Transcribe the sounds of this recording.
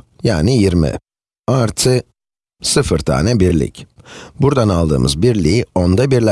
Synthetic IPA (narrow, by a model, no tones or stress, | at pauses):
jaːnijiɾmḭ | aɾt̪ʰɯ | sɯfɯɾt̪ʰa̰ːnɛbiɾlʲḭcbuɾd̪analˠd̪ɯ̰ːmɯ̰zbiɾlʲiio̞nd̪abiɾlʲæ